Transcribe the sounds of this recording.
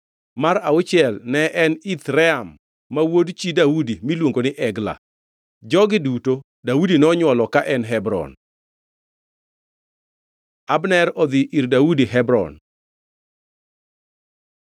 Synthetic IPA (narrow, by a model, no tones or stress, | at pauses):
maɾaʊt͡ʃɪɛlnɛʔɛnit̪ɾɛamː | awodt͡ʃidaudimilwoŋɡonɪʔɛɡla̰ | d͡ʒɔɡɪduto | daudinɔɲwɔlɔkaʔɛnɦɛbɾɔ̰n | abnɛɾɔd̪ɪʔirdaudiɦɛbɾɔ̰n